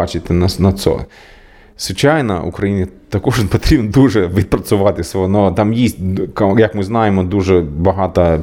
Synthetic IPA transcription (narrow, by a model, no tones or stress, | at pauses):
ɑt͡ʃɪt̪ɪnɐnɐsɔ̰ | sʋɪt͡ʃajnɐ̰ʊ̰kɾɐjinʲit̪ɐkɔʐpɔt̪ɾʲibnd̪uʐɛʋʲid̪̚pɾɐsʲʊʋɑt̪ɪsɔnɔt̪ɑmjisʲt̚ʲkjɐkmɪznɑjemɔd̪uʐɛbɐɦɑt̪ɐ